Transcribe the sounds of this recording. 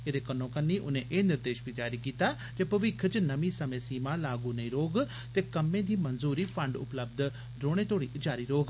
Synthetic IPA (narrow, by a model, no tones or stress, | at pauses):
eːd̪eːkənõːkənːiːʔʊnẽːʔeːnɪɾd̪eːʃpid͡ʒaːɾiːkiːt̪aː | d͡ʒeːpəʋɪkʰt͡ʃnəʋĩːsəmẽːsiːmaːlaːɡuːnəĩɾoːɡ | t̪eːkəmẽːd̪iːmənzuːɾiːpʰəɳɖʊ̰pləb̚d̪ | ɾoːɽ̃ẽːt̪oːɽiːd͡ʒaːɾiːɾoːɡ